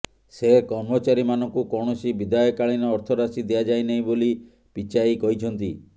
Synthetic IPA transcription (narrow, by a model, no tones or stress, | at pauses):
sekɔɾmɔt͡ʃaɾimanɔŋkukɔɳ̃ɔsibid̪ajɔkaɭinɔːɾt̪ʰɔɾasid̪iad͡ʒajneĩboli | pit͡ʃaikɔɦit͡ʃʰɔnt̪i